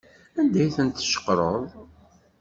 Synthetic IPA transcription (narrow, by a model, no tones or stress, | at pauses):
ænd̪æjθənt̪ːʃə̥qːɾˤəðˤ